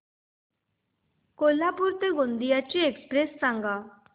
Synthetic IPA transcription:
koːlaːpʊɾt̪eɡõnd̪ijat͡ʃiekspɾesːãŋɡaː

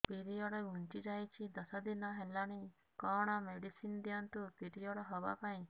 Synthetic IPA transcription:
piɾijɔɽɔɡunt͡ʃid͡ʒajt͡ʃʰid̪əsad̪inaɦɛlañi | kɔɽ̃ameɖisind̪jant̪upiɾijɔɽɔɦɔba̰pãĩ

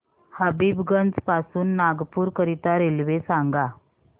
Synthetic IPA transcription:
habiːbɡənd͡zpasuːnːaɡpuːɾkəɾit̪aɾelʋesãŋɡa

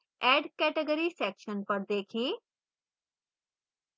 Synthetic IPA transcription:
ɛːɖkɛːʈəɡəɾisɛːkʃənpəɾd̪eːkʰĩː

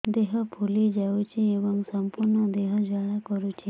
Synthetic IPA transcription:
d̪eɦɔpʰulid͡ʒawt͡ʃʰiebɔŋsɔmpuɾnɔd̪eɦɔd͡ʒaɭakɔɾut͡ʃʰi

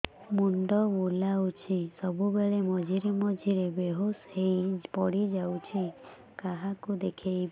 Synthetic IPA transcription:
muɳɖɔbulawt͡ʃʰisɔbubeɭemɔd͡ʒʱiɾemɔd͡ʒʱiɾebeɦoshejpɔɽid͡ʒawt͡ʃʰi | kaɦakud̪ekʰejb

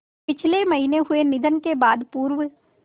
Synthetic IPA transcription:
pɪt͡ʃʰlemɐɦineɦʊenɪd̪ənkebaːd̪puːɾʋ

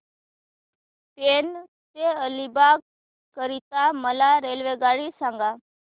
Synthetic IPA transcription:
pen | t̪eəlibaɡ | kəɾit̪aməlaɾelʋeɡaɽisãŋɡa

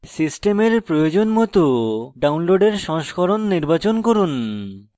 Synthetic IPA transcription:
sisʈemeɾpɾojod͡ʑonmɔt̪oɖawnloɖeɾʃɔŋʃkʰɔɾonːiɾbat͡ɕonkoɾun

